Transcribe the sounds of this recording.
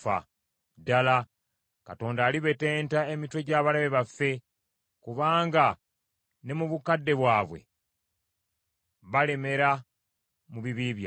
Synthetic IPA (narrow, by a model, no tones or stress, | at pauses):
fa̰ | dala | kato̞ːndaːliβe̞te̞ːntae̞mitwe̞ɟaːβalaβe̞βafːe̞ | kuβaːŋɡa | ne̞muβukadːe̞βwaːβwe̞̰ | βale̞me̞ɾa | muβiβiːβja